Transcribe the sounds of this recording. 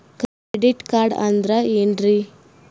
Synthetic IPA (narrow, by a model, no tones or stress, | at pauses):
kɾeeɖiʈkaːɾɖɐnd̪ɾɐenɖɾi